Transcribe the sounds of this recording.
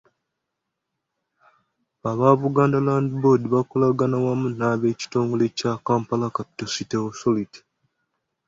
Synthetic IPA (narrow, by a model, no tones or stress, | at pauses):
aβaβuɡaːndalaːndibo̞diβakolaɡanawamunaβe̞ːci̥to̞ːŋɡo̞lecakaːmpalakapi̥tositeosoliti̥